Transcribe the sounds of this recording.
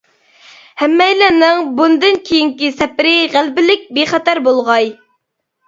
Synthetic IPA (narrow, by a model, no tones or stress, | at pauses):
hæmːɛjlænɪŋbund̪ɨnkʲʰijiŋkʲisɛpɾɪʁælbɪlɪk̚ʲbeχæt̪æɾbolˠʁɑj